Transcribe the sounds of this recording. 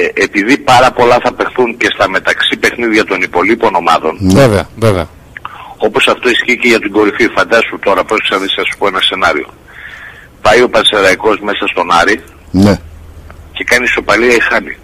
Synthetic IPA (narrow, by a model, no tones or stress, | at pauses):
epiðipɐɾɐpo̞lɐθɐpe̞xθuɲce̞st̪ɐme̞t̪ɐksipe̞xniðʝɐt̪o̞nipo̞lipono̞mɐðo̞nveveɐveveɐ | o̞po̞sɐft̪o̞isciːce̞ʝɐt̪iɡo̞ɾififɐnd̪ɐsut̪o̞ɾɐposeksɐɾðisiɐsu̥poe̞nɐse̞nɐɾḭo̞̰ | pɐjo̞pɐnseɾɐiko̞zme̞sɐst̪o̞nɐɾi | ne | ce̞kɐniso̞pɐliɐixɐnḭ